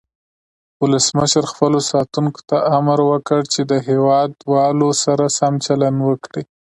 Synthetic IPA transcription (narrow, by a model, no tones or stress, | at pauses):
wʊləsməʃəɾxpəlosɑt̪unko̥t̪aʔamɾwəkəɽt͡ʃed̪əɦewɑd̪wɑlosaɾasamt͡ʃalanwəkɽi